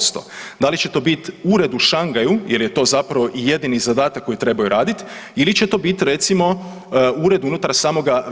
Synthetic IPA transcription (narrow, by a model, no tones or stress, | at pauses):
st̪o̰d̪alit͡ɕet̪o̞ːbit̪uɾe̞d̪uʃaŋɡajujelje̞t̪o̞ːzapɾaʋo̞ʔije̞d̪inizad̪aːt̪akːo̞jit̪ɾe̞bajuɾaːd̪it̪ilit͡ɕe̞t̪o̞bit̪ɾe̞t̪simo̞ | uɾe̞d̪unut̪aɾsaːmo̞ɡa